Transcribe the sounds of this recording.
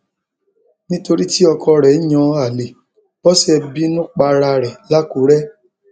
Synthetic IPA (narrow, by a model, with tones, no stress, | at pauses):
nĩ˦to˧ɾi˦ti˦ɔ˧kʰɔ˧ɾɛ˨˦ɲ̃ɔ̃˧˦a˨le˨ | b̥ɔ˦sɛ˧bi˦nũ˦k͡pa˧ɾa˧ɾɛ˨la˦ku˨˦ɾɛ˦